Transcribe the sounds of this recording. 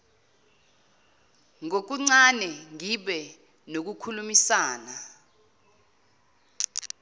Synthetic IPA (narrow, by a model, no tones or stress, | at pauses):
ŋok̬uŋ͡ǀanɛŋiɓɛ | nok̬ukʰulumisaːna